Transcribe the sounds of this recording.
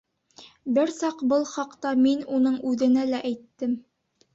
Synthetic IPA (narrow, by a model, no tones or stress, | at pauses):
bɘɾsɑqbɤlˠχɑqt̪ɑminunɤɴʉðɘ̆nælæʔæjt̪ːɘm